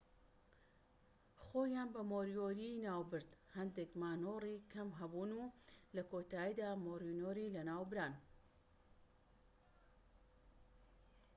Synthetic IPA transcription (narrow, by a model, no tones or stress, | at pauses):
xoːjaːnbɐmoːɾijoːɾinaːwbɨɾd̪hɐnd̪ekmaːnoːriːkʰɐmɦɐbuːnulɐkoːt̪aːjid̪aːmoːɾjunoːɾiːlɐnaːwbɾaːn